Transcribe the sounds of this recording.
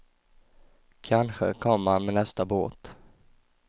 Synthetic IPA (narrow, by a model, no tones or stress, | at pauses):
kʰanɧə̰kʰɔmːhanmenɛst̪aboːt̪